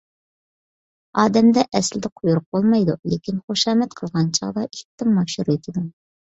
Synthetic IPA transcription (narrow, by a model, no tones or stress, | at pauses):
ɑːd̪ɛmd̪ɛʔɛslɪd̪ɛqʰʊjuɾʊq̚bolˠmɑjd̪ulekʲinχoʃɑːmɛt̪qʰəlˠʁɑnt͡ʃʰɑ̰ʁd̪ɑʔikʲt̪ːɪmːɑʃuɾet̪ʰɪd̪u